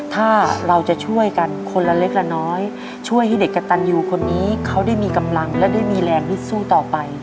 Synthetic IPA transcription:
t̪ʰaː˥˩ɾa˧wt͡ɕa˨˩t͡ɕʰu˥˩əjka˧nkʰo˧nla˧le˦˥k̚la˧nɔː˦˥j | t͡ɕʰu˥˩əjɦa˥˩de˨˩kːa˧t̪a˧njuː˨˩kʰo˧nːiː˦˥kʰa˦˥wdaː˥˩jmiː˧ka˧mla˧ŋlɛ˦˥daː˥˩jmiː˧lɛː˧ŋlɯ˦˥t̪̚suː˥˩t̪ɔː˨˩pa˧j

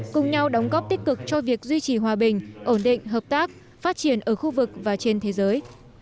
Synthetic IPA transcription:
kʊ˨˩ŋ͡mɲa˧wɗə˨˦wŋ͡mɣɔ˦˥p̚t̪ï˦˥k̟̚kɨ˨˩k̚t͡ɕɔ˧vi˨˩ək̚zwi˧t͡ɕi˧˩ɦwaː˨˩ɓï˨˩ŋ̟ʔo˧˩nɗḭ˧˨ŋ̟ɦəː˨˩p̚t̪aː˦˥k̚ | faː˦˥t̚t͡ɕi˧˩ənʔəː˧˩xu˧vɨ˨˩k̚vaː˨˩t͡ɕe˧nt̪ʰe˨˦zəː˨˦j

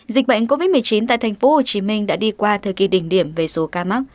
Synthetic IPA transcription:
zï˨˩k̟̚ɓə̰˧˨jŋ̟k̬o˧vi˦˥t̚mɨ˨˩əjt͡ɕi˨˦nt̪a̰ː˧˨t̪ʰa˨˩ŋ̟fo˨˦ho˨˩t͡ɕi˨˦mï˧ŋ̟ɗa̰ː˧˥ɗi˧kwaː˧t̪ʰəː˨˩ki˨˩ɗï˧˩ŋ̟ɗi˧˩əmve˨˩so˨˦kaː˧ma˦˥t̚

